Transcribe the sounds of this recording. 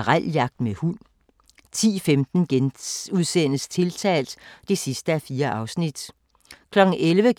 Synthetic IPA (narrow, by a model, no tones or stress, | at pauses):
ʁal̰jɑ̈ɡ̥̚d̥mehul̰ | t͡sʰḭːfemd̥n̩ɡ̥enuð̞ˠsen̰əst͡sʰe̝lt͡sʰɛ̰ːld̥d̥e̝sisd̥əæfiːɐʔɑ̈ʊsnid̥ | kʰlɒ̽ɡ̥ŋ̩elʋə